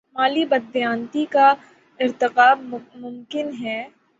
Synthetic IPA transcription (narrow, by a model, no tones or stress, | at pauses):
maːlibɐd̪ːjãːnt̪ika | ɪɾt̪ɪqaːbmʊmkɪnɦɛː